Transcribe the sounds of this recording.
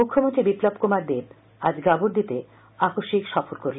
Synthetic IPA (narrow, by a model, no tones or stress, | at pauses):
mukʰːomont̪ɾibiplobkomaɾd̪eb | ad͡ʑɡaboɾd̪it̪e | akoʃikʃɔfoɾkoɾlen